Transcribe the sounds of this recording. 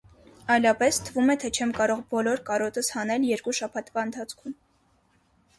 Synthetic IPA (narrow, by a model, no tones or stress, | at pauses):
ɑjlɑpɛst̪ʰəvumɛt̪ʰɛt͡ʃʰɛmkɑɾɔʁbɔlɔɾkɑɾɔt̪əshɑnɛljɛɾkuʃɑpʰɑt̪vɑənt̪ʰɑt͡sʰkʰum